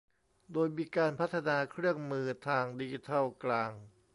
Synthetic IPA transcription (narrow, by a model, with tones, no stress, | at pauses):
doː˧jmiː˧kaː˧npʰa˦˥t̪ʰːa˧naː˧kʰɾɯ˥˩əŋmɯː˧t̪ʰaː˧ŋdi˧i˧t̪ʰa˥˩wklaː˧ŋ